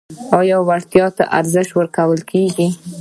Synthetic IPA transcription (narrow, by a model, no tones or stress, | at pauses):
ɑjɑwaɾt̪jɑt̪a̰ʔa̰ɾzəʃwəɾkawəlkʰeɡi